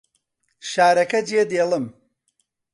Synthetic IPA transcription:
ʃaːɾɐkɐd͡ʒied̪eːlɨm

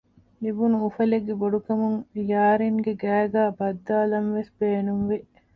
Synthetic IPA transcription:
libunuufɐleɡːeboɖukɐmuŋjaːɾiŋɡeɡæːɡaːbɐd̪ːaːlɐnʋesbeːnunʋiʔ

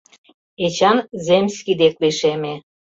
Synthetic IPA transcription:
et͡ɕɑnzemʲsʲkʲid̪ek̚liʃeme

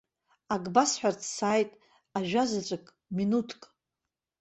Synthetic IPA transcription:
aɡʼbasħʷᶣart͡sʰsaːjtʼ | aʒᶣazat͡sʷʼɨkʼ | minutʰkʼ

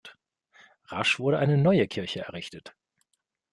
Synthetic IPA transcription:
ʁaʃv̥ʊɐɾəʔaɪnənɔʏəkʰɪɐçəɛ̰ɐʁɪçtət

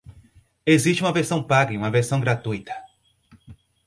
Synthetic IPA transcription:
eziʃt͡ʃɪũmɐveɾsɐ̃w̃paɡɐĩũmɐveɾsɐ̃w̃ɡɾat̪ujt̪ɐ̥

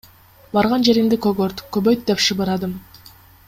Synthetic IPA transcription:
bɑɾʁɑnd͡ʒe̞ɾimd̪ikøɡøɾt̪købøjt̪̚d̪epʃɯbɯɾɑd̪ɯm

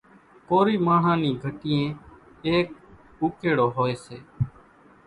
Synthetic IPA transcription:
koːɾiːmaːɳ̤ãːnĩːɡʱəʈiːẽː | eːk̚ | uːkeːɽoːɦoːeːseː

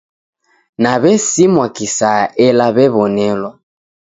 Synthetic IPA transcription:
naβɛsimwakisajaʔɛlaβɛβɔnɛlwa

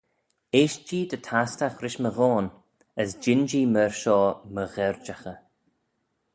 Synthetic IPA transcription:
eːʃd͡ʒiːd̪ətʰastaxɾɪʃməɣɔːn | əsd͡ʒɪnd͡ʒiːməɹʃɔːməɣɛɹd͡ʒaxə

